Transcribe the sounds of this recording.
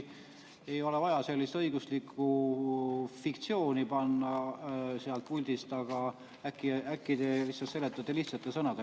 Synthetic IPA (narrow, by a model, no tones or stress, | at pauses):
e̞jo̞le̞vɑjɑse̞lʲːist̪ɤijɡ̥uslikʰːu | fikt̪sio̞ːnipɑnːɑseɑlt̪̚pulʲd̪̥ist̪ɑɡ̥ɑ | ækːˑiækːˑid̪̥evisɑt̪se̞let̪ːˑɑt̪ːeliht̪sɑt̪ːˑesɤnɑd̪̥e